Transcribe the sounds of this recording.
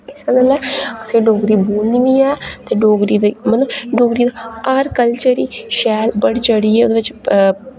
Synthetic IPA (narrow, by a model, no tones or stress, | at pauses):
ɪsaɡəlːɛːəseːɖoːɡɾiːbuːnd̪iʋiːɛːt̪eːɖoːɡɾiːd̪emət̪ləbɖoːɡɾiːd̪aaːɾkəlt͡ʃəɾiːʃɛːlbəɽt͡ʃəɽiːɛːoːd̪eːʋɪt͡ʃ